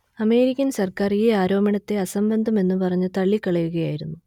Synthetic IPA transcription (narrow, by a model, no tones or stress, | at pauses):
ɐme̞ːɾikʲːɐnsɐrkaːriːaːɾo̞ːmɐɳɐt̪ːe̞ɐsɐmbɐnd̪ʱɐme̞nːupɐrɐɲːɨt̪ɐɭːikːɐɭɐjuɣɐjaːjiɾunːu